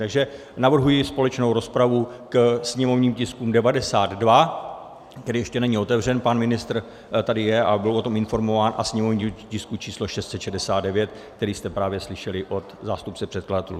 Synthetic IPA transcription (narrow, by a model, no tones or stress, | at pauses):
t̪aɡʒɛ | navr̩ɦujɪspo̞lɛt͡ʃnowɾo̞spɾavukɛsɲɛmo̞vɲiːmcɪskuːmdɛvadɛsaːd̪dva | kt̪ɛɾijɛʃcɛnɛɲio̞t̪ɛvr̝ɛnpanmɪnɪst̪r̩ | t̪adɪjɛʔabɪlʔo̞t̪o̞mɪnfo̞ɾmo̞vaːnʔa̰sɲɛmo̞vɲiːcɪskut͡ʃiːslo̞ʃɛst̪sɛt̪ʃɛdɛsaːd̪dɛvjɛt̪̚ | k̚t̪ɛɾiːst̪ɛpɾaːvjɛslɪʃɛlɪʔo̞t̪zaːst̪up̚t͡sɛpr̝̥ɛt̪kladat̪ɛlu